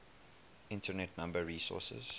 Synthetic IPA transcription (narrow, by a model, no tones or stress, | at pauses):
ɪ̃ntənɛtnãmbəɹiːsɔ̰ˑsə̰z̥